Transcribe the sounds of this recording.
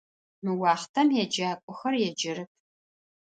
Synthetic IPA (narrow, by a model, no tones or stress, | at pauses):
nuwɑːχtʰɐmjɛd͡ʒaːkʷʼɔxɐrjɛd͡ʒɪɾɨp̚ʰ